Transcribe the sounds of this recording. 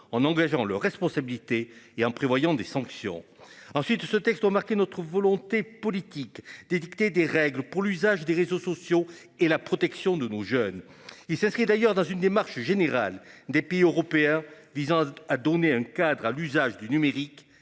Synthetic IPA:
ɑ̃nɑ̃ɡaʒɑ̃lœʁːɛspɔ̃sabilit̪eeɑ̃pχevwajɑ̃d̪esɑ̃ksjɔ̰̃ɑ̃sɥit̪sət̪ɛkst̪wamaʁkenɔt̪χəvɔlɔ̃t̪epɔlit̪ikd̪̥ed̪ikt̪ed̪eʁɛɡləpuʁlyzaʒd̪eʁezosɔsjo | elapχɔt̪ɛksjɔ̃d̪ənoʒœn | ilsɛ̃skχid̪ajœʁd̪ɑ̃zynd̪emaʁʃʒeneʁa̰ld̪epeiøʁɔpeɛ̃ | vizɑ̃ad̪ɔneɛ̃kad̪ʁalyzaʒd̪ynymeʁik

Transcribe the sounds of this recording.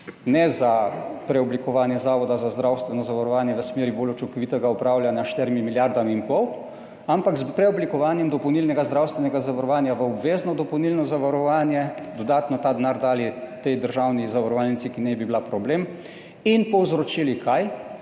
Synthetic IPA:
nɛzapɾɛɔblikɔʋaːnjɛzaːʋɔd̪azazd̪ɾawst̪ʋɛnɔzaʋaɾɔʋaːnjɛʋəsmeːɾibolɔt͡ʃɔŋkɔʋiːt̪ɛɡaɔpɾaːwljanjaʃt̪ɛɾimimiljaɾd̪aminpɔw | ampakspɾɛɔblikɔʋaːnjɛmd̪ɔpɔwnilnɛɡazd̪ɾawst̪ʋɛnɛɡazaʋaɾɔʋaːnjaʋəɔbʋeːznɔd̪ɔpɔwnilnɔzaʋaɾɔʋaːnjɛd̪ɔd̪aːt̪nɔt̪aːd̪naːɾd̪aːlit̪ɛjd̪əɾʒawnizaʋaɾɔʋalnit̪sikinɛbibilapɾɔbleːm | inpɔwzɾot͡ʃilikʰaj

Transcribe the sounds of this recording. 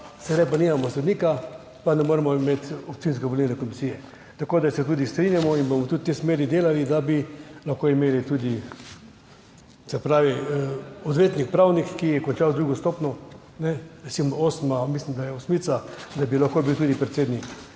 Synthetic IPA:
sɛd̪ajpanimamɔsɛd̪niːka | panɛmoːɾɛmɔimet̪ɔp̚t͡s̪ins̬kaʋolinakɔmisijɛ | t̪akoːd̪asɛt̪uːd̪ist̪ɾinjamɔinbomɔt̪ut̪̚t̪ːesmeːɾid̪eːlalid̪abilaxkoimeːlit̪ud̪i | sɛpɾaːʋi | ɔd̪ʋeːt̪nik̚pɾawnikːijɛkɔnt͡ʃawd̪ɾuɡɔst̪opnɔ | nɛɾɛsimɔosmamislimd̪ajɛosmit̪sad̪abilaxkobiwt̪uːd̪ipɾɛt̪seːd̪nik

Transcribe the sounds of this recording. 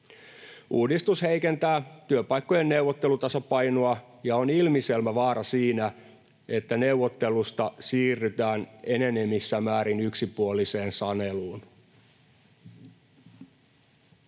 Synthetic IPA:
uːdist̪ushe̞ikent̪æːt̪yøpɑjkːojenːeuwʋːot̪ːe̞lut̪ɑsɑpɑjnoɑ | jɑonilmiselmæʋɑːɾɑsiːnæ | e̞t̪ːæneuʋːot̪ːe̞lust̪ɑsiːrːyt̪æːne̞nene̞misːæmæːɾinyksipuoliseːnsɑneluːn

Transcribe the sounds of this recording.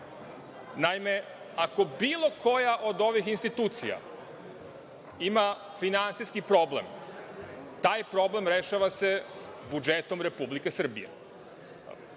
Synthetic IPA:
naime̞ | ako̞biːlˠo̞kʰo̞jaʔo̞d̪o̞ʋixinst̪it̪uːt̪sḭja̰ | ima | finansiskipɾo̞blem | t̪aːjpɾo̞ble̞mɾe̞ʃaʋase̞bud͡ʒet̪o̞mɾe̞publike̞sr̩bḭjḛ

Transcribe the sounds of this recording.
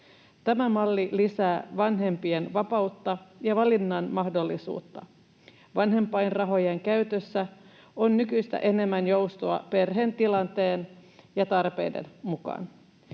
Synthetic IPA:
t̪æmæmɑlːilisæːʋɑnɦe̞mpienʋɑpɑut̪ːɑjɑʋɑlinːɑnmɑhdo̞lːisṵːt̪ːɑ | ʋɑnɦe̞mpˑɑjnrɑɦo̞jeŋkæyt̪øsːæ | onːykyist̪æ̰ʔe̞ne̞mːænjowst̪oɑ̰pe̞rɦent̪ilɑnt̪eːnjɑt̪ɑrpe̞̰jde̞̰nmukɑ̰n

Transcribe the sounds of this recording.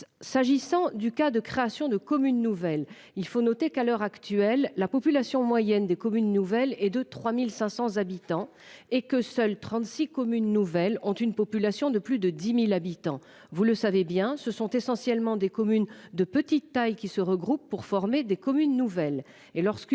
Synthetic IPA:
saʒisɑ̃d̪ykad̪əkχeasjɔ̃d̪əkɔmynːuvɛl | ilfonɔt̪ekalœʁakt̪ɥɛlːapɔpylasjɔ̃mwajɛnd̪ekɔmynːuvɛlɛd̪ət̪χwamilsɛ̃sɑ̃zabit̪ɑ̃ | ekəsœlt̪χɑ̃t̪sikɔmynːuvɛlɔ̃t̪ynpɔpylasjɔ̃d̪əplyd̪əd̪imilabit̪ɑ̃ | vuləsavebjɛ̃səsɔ̃t̪esɑ̃sjɛlmɑ̃d̪ekɔmynd̪əpət̪it̪ːajkʲisəʁəɡʁupːuʁfɔʁmed̪ekɔmynːuvɛl | elɔʁsk

